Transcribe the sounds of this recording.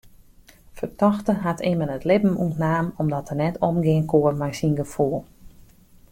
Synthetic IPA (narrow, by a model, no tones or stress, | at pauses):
fərtɔxtəɦatʰɪmənətlɪbm̩ṵtnaːmɔmdɔtərnɛtʰɔmɡɪənkoərmajsinɡəfuːlˠ